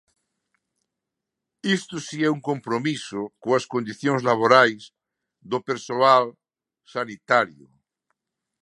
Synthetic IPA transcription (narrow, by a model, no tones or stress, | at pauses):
ist̪osiɛuŋkompɾomisokoaskond̪iθjoŋzlaβ̞oɾajs | ðopeɾsoal | sanit̪aɾjo